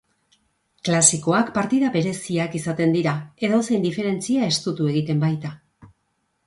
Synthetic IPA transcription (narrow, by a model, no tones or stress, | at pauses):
klasiko̞akpaɾt̪iðaβe̞ɾe̞siakisat̪e̞nd̪iɾae̞ðo̞se̞jnd̪ife̞ɾe̞nt͡siae̞st̪ut̪ue̞ɣit̪e̞mbajt̪a